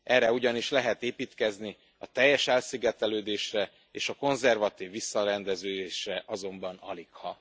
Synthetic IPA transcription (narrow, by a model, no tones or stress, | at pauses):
ʔɛrːɛuɟɒniʃlɛɦɛt̪eːpiːt̪kɛzni | ɒt̪ɛjːɛʃɛlsiɡɛt̪ɛløːd̪eːʃrɛ | eːʃɒko̞nzɛrvɒt̪iːvːisːɒɾɛnd̪ɛzøːd̪eːʃrɛʔɒzo̞mbɒnɒlikhɒ